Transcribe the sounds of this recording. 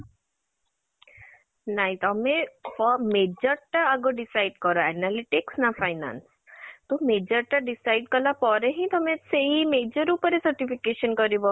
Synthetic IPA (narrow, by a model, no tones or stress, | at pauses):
naɦĩt̪oɦɐmẽɔmeːd͡ʒəɾʈaɐɡoɖɪsaɪɖkəɾoɛnaliʈɪksnafʰaɪna̰ːns | t̪omeːd͡ʒəɾʈaɖɪsaːɪɖkəlapɔɾeɦĩt̪omẽseimeːd͡ʒəɾuːpəɾesəɾʈifikeːʃənkəɾibɔ